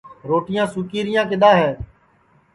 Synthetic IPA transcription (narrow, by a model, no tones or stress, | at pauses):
ɾoːʈɪjãːsʊkiːɾɪjãːkɪɗ̪ãːɦɛː